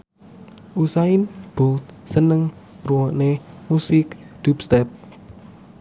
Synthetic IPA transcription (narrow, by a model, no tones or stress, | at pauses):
ʔusainb̥ult̪̚sənəŋ | ruwɔʔnemusɪkd̪̥upst̪ɛp̚